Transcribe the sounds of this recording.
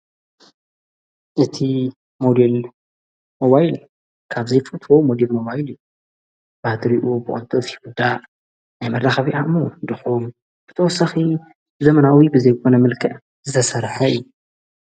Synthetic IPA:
ʔɨt̪ʰi | mod̪el | mo̞βajl | kʰaβzejfɨt̪ʰomo̞d̪elmo̞βajliju | b̥ad̪ɾiʔubɨʔʼo̰nt̪ʰʼofjiwud̪aʔ | najmɐɾaxɐβiʔamod̪ɨxum | b̥ɨt̪ʰɐwɔsɐxi | bɨzɐmɐnawibɨzɐjkʰo̞nɐmɨlkʰɐʕ | zɨt̪ʰɐsɐɾħɐɨu

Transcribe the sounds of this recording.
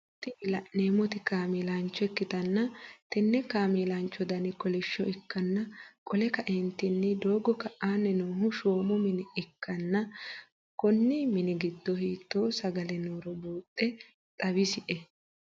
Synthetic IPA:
t̪ːɪlɐʔneːmɔt̪ɪkaːmiːlant͡ʃːɔɛkːɪt̪ɐnːɐt̪ɛnːɛkaːmiːlant͡ʃːɔd̪ɐnɪkɔlɪʃːɔʔɪkːɐnːɐkʼɔlɛkɐʔɛnt̪ːɪnːɪd̪o̞ːɡɔkɐʔaːnːɛnuːɦʊʃoːmɔmɪnɪɪkːɐnːɐ | kɔnːɪmɪnɪɡɪd̪ːɔhiːt̪ːo̞ːsɐɡɐlɛnoːɾɔbuːt̪ʼːɛ | t̪ʼɐβɪsɪʔɛ

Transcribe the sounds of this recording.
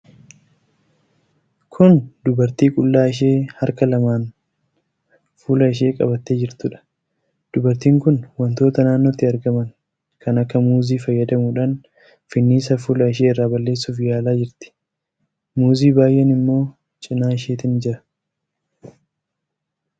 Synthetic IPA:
kʰʊnd̪ʊbɐɾt̪iːkʼʊlːaːɪʃ̬e̞ːhɐɾkɐlɐmaːn | fuːlɐɪʃ̬e̞ːkʼɐ̰bɐt̪ːe̞ːd͡ʒɪɾt̪ʊᶑɐ̥ | d̪̥ʊbɐɾt̪iːŋkʊnwɐnt̪o̞ːt̪ɐnaːnːo̞ːt̪ːɪɐɾɡɐmɐn | kʰɐnɐkːɐmuːziːfɐjːɐd̪ɐmuːᶑaːn | fɪnːiːsɐfuːlɐɪʃ̬e̞ːɪrːaːbɐlːe̞ːsːuːfɪjaːlaːd͡ʒɪɾt̪ɪ̥ | muːziːbaːjʔɛnɪmːo̞ː | t͡ʃʼɪnaːɪʃe̞ːt̪ɪnd͡ʒɪɾɐ̥

